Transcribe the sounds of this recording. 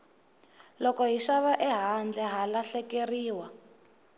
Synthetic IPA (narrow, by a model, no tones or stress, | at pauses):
lɔkɔɦiʃaβaʔɛɦand͡ɮɛɦalaɬɛkeriːwa